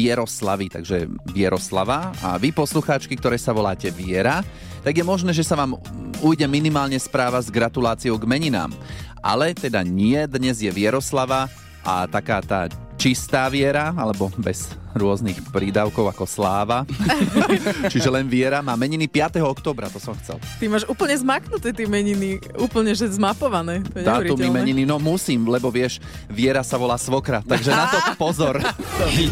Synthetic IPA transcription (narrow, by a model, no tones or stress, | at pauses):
jɛɾɔslaʋit̪a̰ɡʒɛʋɪɛɾɔslaʋaa̰ʋipɔsluxaːt͡ʃkikt̪ɔɾɛːsaʋɔlaːcɛʋɪɛɾa | t̪aɡjɛmɔʒnɛːʒɛsaʋaːmujɟɛminimaːlɲɛspɾaːʋazɡɾat̪ulaːt͡siɔʊɡmɛɲina̰ːmʔa̰lɛt̪ɛd̪aɲɪɛd̪ɲɛzjɛʋɪɛɾɔslaʋa | ʔa̰t̪akaːt̪a̰ː | t͡ʃist̪aːʋɪɛɾaalɛbɔbɛz̥ɾʊɔznixpɾiːd̪aʊkɔʊakɔslaːʋa | t͡ʃiʒɛlɛnʋɪɛɾamaːmɛɲinipɪat̪ɛɦɔɔkt̪ɔːbɾat̪ɔsɔmxt͡sɛ̰lt̪imaːʒuːpl̩ɲɛzmaknut̪ɛt̪ɪɛmɛɲiniuːpl̩ɲɛʒɛzmapɔʋanɛːt̪ɔatɾumimɛɲininɔmusiːmlɛbɔʋɪɛʃ | ʋɪɛɾasaʋɔlaːsʋɔkɾaːt̪ːaɡʒɛnat̪ɔpɔzɔɾ